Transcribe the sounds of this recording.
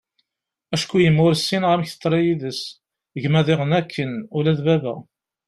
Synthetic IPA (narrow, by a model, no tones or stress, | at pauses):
æʃkʷːujəmːʊɾsːinʁæmçθə̥t̪ˤːɾˤijiðəs | əʝmæðɪʁənækʰːənʊlæðbævæ